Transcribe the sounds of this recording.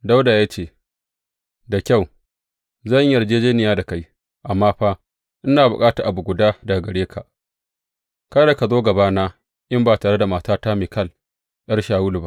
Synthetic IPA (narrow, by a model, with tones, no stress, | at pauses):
da˦wda˨jaː˦t͡ʃeː˦˨ | da˨kʲa˦˨w | zɐ˦˨ɲjɐ˨rd͡ʒeː˦d͡ʒeː˦nɪ˨jaː˦da˨ka˦j | ʔa˨mːaː˦ɸaː˦ | ʔɪ˦naː˨bʊ̰˨kʼaː˦ta˨ʔa˨bu˨ɡʷʊ˨daː˦da˨ɡɐ˨ɽeː˦kʰa̰˨ʔ | ka˦da˨ka˨zoː˦ɡɐ˨baː˦naː˦ | ʔɪ˦mbaː˨taː˨ɽe˦da˨maː˨taː˦ta˦meː˨kɐ˦˨l | j̰ɐ˦rʃaː˨wʊ˦lu˨ba˦ʔ